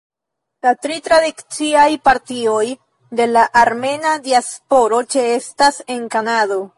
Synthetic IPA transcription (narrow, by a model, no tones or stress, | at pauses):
latɾitɾadikt͡siajpaɾtio̞j | de̞laʔaɾme̞nadiaspo̞ɾo̞t͡ʃe̞e̞stase̞ŋkanado̞